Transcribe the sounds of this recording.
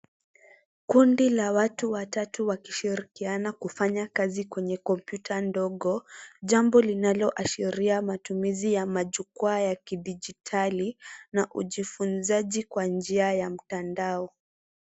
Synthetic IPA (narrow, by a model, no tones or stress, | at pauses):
kundilawatuwatatuwaki̥ʃiɾikianakufaɲakazikwɛɲɛkɔmpjutʰandɔɠɔʄambɔlinalɔʔaʃiɾiamatumizijamaʄukwajakiɗid͡ʒitʰalinaʔuʄifunzaʄikwand͡ʒiajam̩tandaɔ